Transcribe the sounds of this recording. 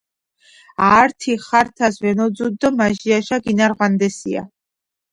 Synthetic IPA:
aːɾt̪ʰiχaɾt̪ʰasvɛnɔd̪zud̪ːɔmaʒiaʃaɡinaɾʁwand̪ɛsia̰

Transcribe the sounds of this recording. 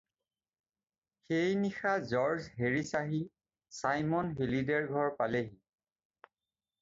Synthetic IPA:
xejnixazɔɹzɦeɹisaɦi | sajmɔnɦelidɛɹɡʱɔɹpaleɦi

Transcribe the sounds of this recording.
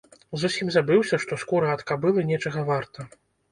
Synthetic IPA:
zusʲimzabɨwsʲɐʂt̪ɔskuɾɐɐt̪kabɨlˠɐnʲɛt͡ʂɐɣɐvart̪ɐ

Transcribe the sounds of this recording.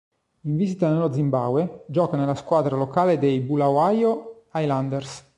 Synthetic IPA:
iɱvizit̪anelod̪zimbawed͡ʒɔːkanelaskwaːd̪ɾalokaːled̪ejbulawajo | ajland̪ɛrs

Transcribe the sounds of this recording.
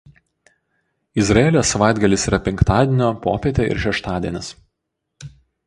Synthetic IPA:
ɪzɾɐeːlʲoːsːɐʋɑˑɪd̪ɡɐlʲɪsiːɾɐpʲɛŋkt̪ɑːd̪ʲeɛnʲoːpo̰ːpʲeːt̪ʲeɪ̰ɾʃʲɛʃt̪ɑːd̪ʲiɛnʲɪs

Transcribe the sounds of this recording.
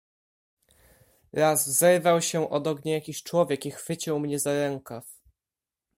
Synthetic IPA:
ɾazvzɛɾvawɕɛʔɔd̪ɔɡɲajakʲiɕt͡ʂwɔvʲjɛkixfɘt͡ɕiwmɲɛzaɾɛŋkaf

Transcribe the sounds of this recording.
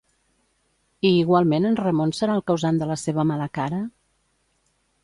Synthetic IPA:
iːɣwalˠmenənrəmonsəɾalˠkəwzand̪ələseβ̞əmaləkaɾə

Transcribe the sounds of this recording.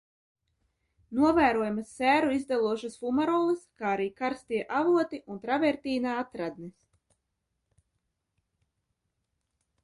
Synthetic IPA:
nuɔvæːɾuɔjamasːæːɾuizd̪alˠuɔʃasfumaɾɔːlˠɨskaːaɾiːkaɾst̪iːɛʔavuɔt̪iʔunt̪ɾavɛɾt̪iːnaːat̪ɾad̪nis

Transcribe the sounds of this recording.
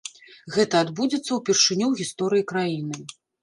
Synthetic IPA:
ɣɛt̪ɐːd̪bud͡zʲɛt̪sːɐwpʲɛrʂɨnʲuwɣʲist̪ɔɾɨjikɾajinɨ

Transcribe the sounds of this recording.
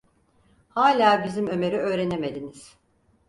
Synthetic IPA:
haːlʲaːbizimø̞me̞ɾiø̞ːɾe̞ne̞me̞d̪iniz̥

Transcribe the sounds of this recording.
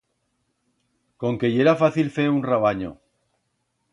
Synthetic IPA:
ko̞ŋke̞je̞ɾafaθilfe̞unraβ̞aɲo̰

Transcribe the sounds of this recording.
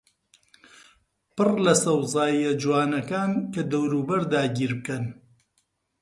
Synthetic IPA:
pɨrlɐsɐwzaːiɐd͡ʒuwaːnɐkaːnkɐd̪ɐwɾuːbɐɾd̪aːɡiːɾbɨkɐn

